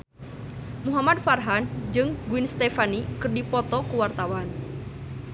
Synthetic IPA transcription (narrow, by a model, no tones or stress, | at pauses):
muɦamad̪̚farɦand͡ʒɨŋɡuinst̪ɛfanikɨrdipɔt̪ɔkuwart̪awan